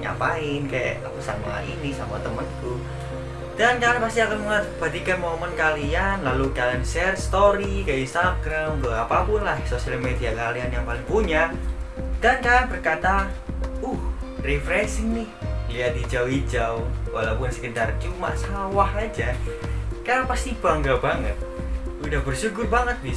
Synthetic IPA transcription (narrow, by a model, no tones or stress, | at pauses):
ɲa̰paɪnkaja̰ʔa̰kusaŋwa̰ʔḭnisamuat̪əmənku | d̥ankaanpast̪iakanməŋəb̥adikanmomənkalianlalukalansɛrst̪oɾikainst̪aɡɾamɡoapapʊnlahsosialmediakalianjaŋpalɪŋpuɲa | d̥ankaanbərkat̪aʊhrefɾɛsinɪhliat̪̚id͡ʒawid͡ʒawwa̰lawpʊnsə̥kəndart͡ʃuma̰ʔsawahad͡ʒa | kaɾapast̪ib̥aŋɡabaŋət̪̚udahbərʃuɡʊrbaŋət̪̚bi